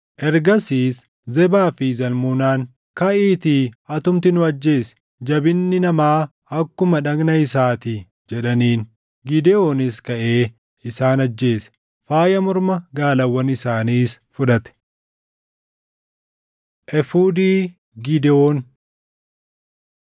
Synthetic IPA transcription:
ʔɛɾɡɐsiːs | zɛbaːfɪzɐlmunaːn | kɐʔiːt̪iːɐt̪ʊmt̪ɪnʊɐd͡ʒːe̞ːsɛ̥ | d͡ʒɐbɪnːɪnɐmaː | ɐkːʊmɐᶑɐɡnɐɪsaːt̪ɪ | d͡ʒɛᶑɐniːn | ɡɪd̪ɛo̞ːnɪskɐʔeː | ɪsaːnɐd͡ʒːe̞ːsɛ̥ | faːjɐmɔɾmɐɡaːlɐwːɐnɪsaːniːs | fʊᶑɐt̪ɛ̥ | ʔɛfuːd̪iː | ɡɪd̪ɛoːn

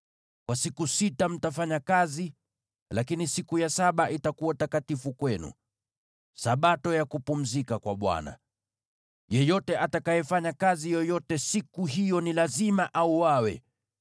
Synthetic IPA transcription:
kwasikusitam̩tafaɲakazi | lakinisikujasaɓaʔitakuwatakatifukwɛnṵ | saɓatɔjakupum̩zikakwaɓwa̰na̰ | jɛjɔtɛʔatakajɛfaɲakazijɔjɔtɛsikuɦijɔnilazimaʔauwawɛ̰

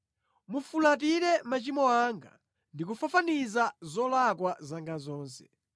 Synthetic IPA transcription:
mufulat̬iɾɛmat͡ʃimɔaːŋɡa̰ | ndik̬ufafanizazɔlakwazaŋɡazɔːnsɛ̥

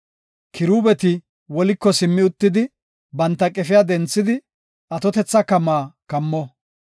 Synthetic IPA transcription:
kʰɪɾuːbɛt̪ɪ | wɔlɪkːɔsɪmːɪʊt̪ːɪd̪ɪ | bɐnt̪ːɐkʼɛfɪjad̪ɛnt͡sːɪd̪ɪ | ʔɐt̪ɔt̪ɛt͡sːɐkɐmːaːkɐmːɔ

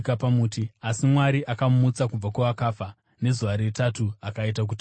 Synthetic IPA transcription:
kapamuːtiasimwaɾiʔakamumut͡sakub͡vakwaʋakaːfa | ne̞zuʋaɾitatuakaitak̬uti

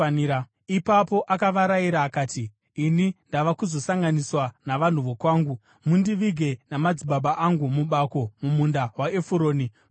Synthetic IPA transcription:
na | ipapo̞ʔakaʋaɾaiɾaːkaːtiː | nindaʋakuzo̞saŋɡaniswanaʋan̤uʋo̞kwaːŋɡu | mundiʋiɡʱe̞namad͡ziɓaɓaʔaŋɡumuɓako̞mumundawaefuɾo̞ːni

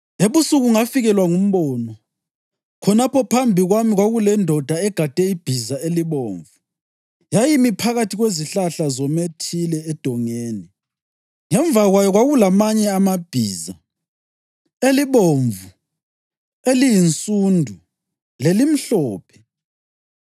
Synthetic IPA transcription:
eβusuɣuŋafiɣɛlwaŋum̩βɔnɔ | kʰɔnapɔpʰambʱiɣwamiɣwaɣulɛndʱɔd̥ʱaɛɡ̥ʱad̥ʱɛib̥ʱizaeliβoːɱvu | jajimipʰaɣatʰiɣweziɬaɬazɔmetʰilɛːd̥ʱɔŋeːni | ŋɛɱvaɣwajɔɣwaɣulamaɲɛamab̥ʱiːza | eliβoɱvu | elijint͡sʼuːndʱu | lelim̩ɬɔːpʰɛ̥

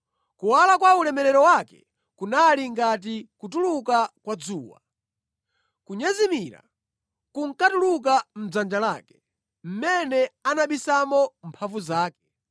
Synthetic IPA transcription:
kuwalakwaulɛmɛɾɛɾɔwakɛ̰ | kunaliŋɡat̬ikutulukakwad͡zuːwa̰ | kuɲɛzimiɾa̰ | kuŋ̩katuluk̬am̩d͡zand͡ʒalaːkɛ̥ | m̩mɛnɛanaɓisamɔmpʰavuzaːkɛ̥

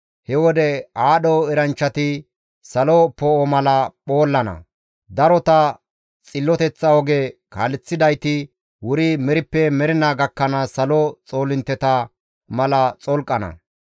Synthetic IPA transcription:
hɛwɔd̪ɛaːɗɔɛɾɐnt͡ʃːɐt̪ɪ | sɐlɔpɔɔmɐlɐpo̞ːlːɐnɐ̰ | d̪ɐɾɔt̪ɐ | t͡sʼɪlːɔt̪ɛt͡sːɐɔɡekaːlɛt͡sːɪd̪ɐjt̪ɪ | wʊɾɪmɛɾɪpːɛmɛɾɪnaɡɐkːɐnɐsɐlɔt͡sʼo̞ːlɪnt̪ːɛt̪ɐ | mɐlɐt͡sʼɔlkʼːɐnɐ̰

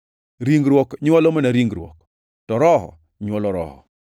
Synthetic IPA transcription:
ɾiŋɡɾwɔkɲwɔlɔmɔnaɾiŋɡɾwɔ̰k | tɔɾɔhɔ̰ | ɲwɔlɔɾɔ̰hɔ̰

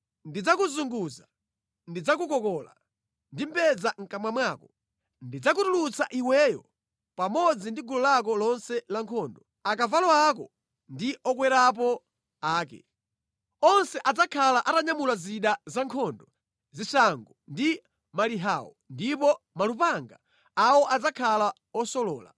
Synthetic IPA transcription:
ndid͡zakuzuŋɡuza | ndid͡zak̬ukɔkɔːla̰ | ndim̩pɛd͡zaŋ̩kamwamwaːkɔ | ndid͡zak̬utulut͡saʔiwɛjɔ̰ | pamɔd͡zindiɡulɔlak̬ɔlɔnsɛlaŋkʰɔːndɔ | akavalɔak̬ɔ | ndiʔɔkwɛɾap̬ɔ | aːkɛ̰ | ɔnsɛʔad͡zakʰalaʔataɲamulaziɗazaŋkʰɔndɔ | zisaŋɡɔndi | maliɦawɔ | ndipɔ | malupaŋɡa | awɔʔad͡zakʰala | ɔsɔlɔːla̰

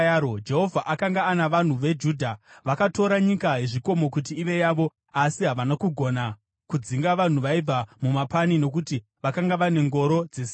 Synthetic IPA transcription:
od͡ʒe̞ɦo̞vʱaʔakaŋɡaːnaʋan̤uʋe̞d͡ʒuːdʱaʋakato̞ɾaɲikaɦeʐiko̞mo̞kut̬iːʋe̞jaʋo̞ | asiɦaʋanakuɡʱo̞na | kud͡ziŋɡaʋan̤uʋaib͡vʱamumapanino̞kuti | ʋakaŋɡaʋane̞ŋɡo̞ɾo̞d͡zes

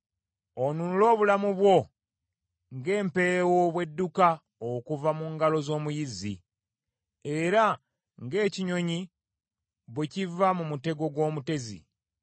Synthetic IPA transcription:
onunulo̞ːβulamuβwo̞ | ŋɡe̞ːmpe̞ewo̞βwe̞dːuka | okuvamuŋɡalo̞zo̞ːmujizḭ | e̞ɾa | ŋɡe̞ːciɲo̞ɲi | βwecivamumute̞ɡo̞ɡwo̞ːmute̞zḭ

